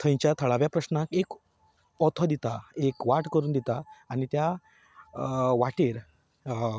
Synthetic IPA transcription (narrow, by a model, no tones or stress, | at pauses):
t̪ʰə̃j̃t͡ɕjat̪ʰəɭaʋjapɾəɕnakek | ɔt̪ʰɔd̪it̪aekʋaʈkəɾuːnd̪it̪aːñit̪ja | ʋaʈeɾ